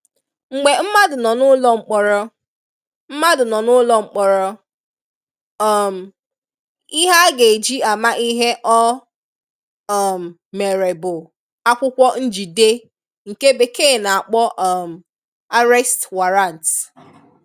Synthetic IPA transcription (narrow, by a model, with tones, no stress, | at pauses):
ŋ͡m̩˨ɡ͡be˨m̩˦ma˦dʊ˨nɔ˨nʊ˦lɔ˦ŋ͡m̩˨k͡pɔ˨ɾɔ˦ | m̩˦ma˦dʊ˨nɔ˨nʊ˦lɔ˨ŋ͡m̩˨k͡pɔ˨ɾɔ˦ | ɔ˨m̩˨ | i˦ɦa˦ɡe˨d͡ʒi˦a˨ma˦ʔi˦ɦe˦ʔɔ˦˨ | m̩˨ | me˨ɾe˨bʊ˨ | a˦kʷʊ˦kʷɔ˦n̩˦d͡ʒi˨de˦ | ŋ̩˨ke˦be˨keː˦˨na˨a˨k͡pɔ˦ʔɔ˨m̩˨ | a˦ɾɛ˦stwa˨ɾa˦˨n˨t